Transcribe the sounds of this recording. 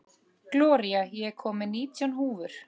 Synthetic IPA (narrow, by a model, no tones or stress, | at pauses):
klɔːɾiajɛkʰɔːmɪniːt̪jɔnɦuːvʏɾ̥